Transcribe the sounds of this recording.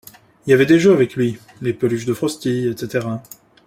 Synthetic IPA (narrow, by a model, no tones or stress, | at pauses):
iljavɛd̪eʒøavɛklɥi | lepəlyʃd̪əfχɔst̪ijɛt̪set̪eʁa